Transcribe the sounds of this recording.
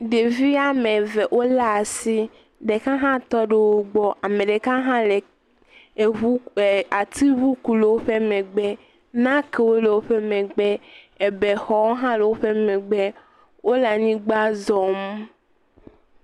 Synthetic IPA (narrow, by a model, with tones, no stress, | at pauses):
ɖe˨vi˦a˦mẽ˨vɛ˨ʔo˦la˦˨si˦ | ɖe˨kã˦ɦã˦t̪ɔ˦ɖe˦wo˦ɡ͡bɔ˦ʔa˨mẽ˨ɖe˨kã˦ɦã˦le˨ | e˨u˦˨a˨t̪i˦βu˦ku˨le˨wo˦ɸe˦mɛ̃˨ɡ͡bɛ˦ | nã˦ke˨wo˦le˨wo˦ɸe˦mɛ̃˨ɡ͡bɛ˦ | e˨bɛ˨xɔ˨wo˦ɦã˦le˨wo˦ɸe˦mɛ̃˨ɡ͡bɛ˦ | wo˦la˨ɲĩ˦ɡ͡ba˦zɔ˨m